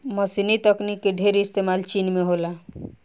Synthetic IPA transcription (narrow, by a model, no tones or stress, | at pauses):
məsinit̪əknikːeɖʱeɾiist̪emalt͡ʃinmeɦola